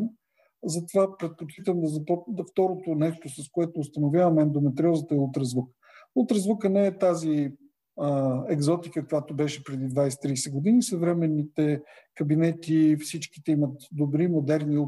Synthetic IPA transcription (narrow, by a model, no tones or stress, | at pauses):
zɐt̪ovapɾɛt̪̚pot͡ʃit̪əmd̪ɐzɐpɔd̪ft̪ɔɾot̪onɛʃt̪osɐskoɛt̪oːst̪ɐnovʲjavɐmɛnd̪omɛt̪ɾʲiɔzət̪əɛulˠt̪ɾəzvukə̥ | ulˠt̪ɾəzvukənɛːɛt̪azi | ɛɡzɔt̪ikəkojat̪ʊbɛʃɛpɾɛd̪id̪vajsɛ̥t̪ɾijsɛɡod̪inisɐvɾɛmɛnːit̪ɛ | kɐbinɛt̪ifsit͡ʃki̥t̪ɛimət̪d̪obɾimod̪ɛɾni